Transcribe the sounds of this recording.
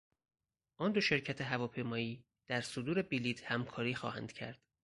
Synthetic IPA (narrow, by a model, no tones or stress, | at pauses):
ʔɒːnd̪oʃe̞ɾcʰæt̪ʰeɦævɒːpʰe̞jmɒːiː | d̪̥æɾsod̪uːɾe̞biliːd̪hæmkʰɒːɾiːxɒ̰ːhæ̰nd̪̥cʰæ̰ɾd̪̥